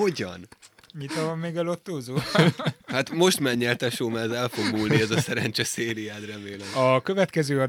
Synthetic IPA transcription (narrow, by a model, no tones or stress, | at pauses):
o̞ɟɒ̰n | ɲit̪ɒvɒmːeːɡɛlot̪ːoːzoːhaːt̪mo̞ʃt̪mɛɲːɛlt̪ɛʃoːmaːzɛlfo̞ɡmuːlniɛzɒsɛɾɛnt͡ʃɛseːɾiaːd̪rɛmeːlɛmɒkø̞vɛt̪kɛzøːɒ